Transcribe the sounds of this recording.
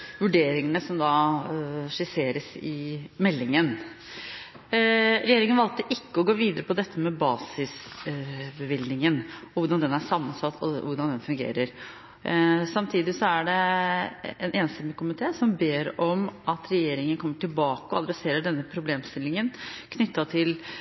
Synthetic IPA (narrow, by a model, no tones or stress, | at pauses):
ʋʉɖeːɾɪŋənəsɔmd̪ɑ | ʂɪseːɾəsɪmɛlːɪŋən | ɾɛjeːɾɪŋənʋɑlt̪əʔɪkːəɔɡoːʋiːd̪əɾəpʰɔd̪ɛt̪ʰːəmɛbɑːsɪs | bəʋɪld̪nɪŋənɔʋʊɖɑnd̪ɛnæʂɑmːənsɑt̪ʰːɔ̰ʋʊɖɑnd̪ɛnfʉŋɡḛːɾəɾ | sɑmt̪ʰiːd̪ɪsɔæɖɛ | ɛneːnsɪməkʊmɪt̪ʰeːsɔmbeːɾɔmɑt̪ɾɛjeːɾɪŋənkʰɔmːəʈɪlbɑːkəɔɑd̪ɾɛseːɾəɖɛnːəpʰɾʊbleːmst̪ɪlːɪŋənkʰnʏt̪ːɑt̪ʰɪl